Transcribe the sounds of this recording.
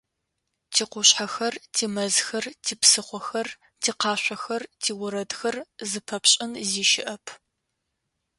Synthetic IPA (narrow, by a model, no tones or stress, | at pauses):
tʰiːqʷʊɕħaxɐrtʰiːmɐzxɐrtʰiːpsɨχʷɔxɐr | tʰiːqɑːɕʷɐxɐrtʰiːwʊɾɐdxɐrzɨpʰɐpɕʼɪnziːʃɪʔɐpʰ